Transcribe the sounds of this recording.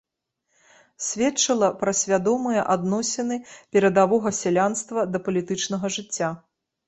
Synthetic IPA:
sʲvʲɛtt͡ʂɐlˠɐpɾɐsʲvʲad̪ɔmɨjɛʔad̪nɔsʲɛnɨpʲɛɾɐd̪avɔɣɐsʲɛlʲanst̪vɐd̪ɐpɐlʲit̪ɨt͡ʂnɐɣɐʐɨt͡sʲːa

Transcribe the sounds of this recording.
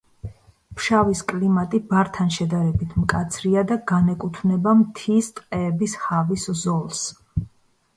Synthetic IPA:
pʰʃaviskʼlimat̪ʼibaɾt̪ʰanʃɛd̪aɾɛbit̪ʰmkʼat̪sʰɾiad̪aɡanɛkʼut̪ʰvnɛbamt̪ʰist̪ʼqʼɛːbishaviszɔlˠs

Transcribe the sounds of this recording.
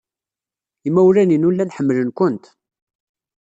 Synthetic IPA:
imæwlæninulːænħəmːələnkʷʊnt̪

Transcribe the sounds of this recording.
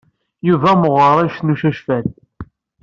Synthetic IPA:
juvæməʁəɾˤæʃnuʃæʃfæd̪

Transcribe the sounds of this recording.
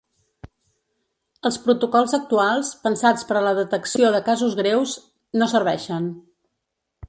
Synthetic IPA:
əlˠspɾut̪ukɔlˠzək̚t̪ualˠspənsat͡spəɾləðət̪əksioðəkazuzɣɾewz | nosəɾβɛʃən

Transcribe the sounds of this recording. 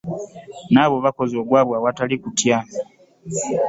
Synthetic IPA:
naβo̞βako̞zioɡwaβwawatalikutja

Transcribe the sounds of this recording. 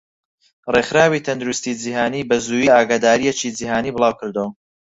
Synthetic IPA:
rexɾaːwit̪ʰɐnd̪uɾust̪id͡ʒihaːniːbɐzuːjiːaːɡaːd̪aːɾijet͡ʃid͡ʒihaːniːbɨlˠaːwkɨɾd̪w

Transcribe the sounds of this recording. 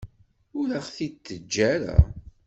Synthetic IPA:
ʊɾæχθit̪ːəd͡ʒːæɾa̰

